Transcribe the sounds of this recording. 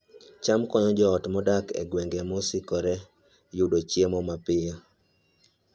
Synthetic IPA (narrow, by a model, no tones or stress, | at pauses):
t͡ʃamkɔnɔd͡ʒɔːtmɔdakḛɡweŋɡemɔsɪkɔɾɛ | judot͡ʃjemɔmapɪjɔ